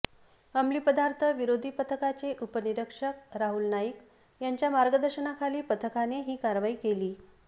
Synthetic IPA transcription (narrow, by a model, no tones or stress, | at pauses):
amliːpəd̪aɾt̪ʰəʋiɾod̪ʱiːpət̪ʰəkat͡seʔupəniɾəkʂək̚ɾaɦulnaik | jaɲt͡ɕjamaɾɡəd̪əɾɕənakʰaliːpət̪ʰəkaneɦiːkaɾʋaiːkeliː